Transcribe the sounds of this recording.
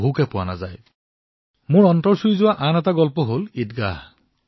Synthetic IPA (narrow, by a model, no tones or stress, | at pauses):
ukɛpʊwana̰zaj | mʊɹɔntɔɹsujzʊwaʔanɛtaɡɔlpɔɦolitɡah